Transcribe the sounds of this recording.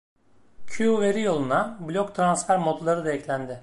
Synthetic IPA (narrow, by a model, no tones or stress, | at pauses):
cʰuve̞ɾijo̞lˠunablʲokt̪ʰɾansfæɾmot̪lˠaɾɯd̪aɛclʲænd̪ɪ